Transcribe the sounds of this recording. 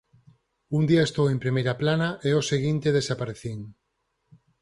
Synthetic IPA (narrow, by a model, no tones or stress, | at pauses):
und̪iaest̪owempɾimejɾaplanaʔeoseɣint̪eðesapaɾeθiŋ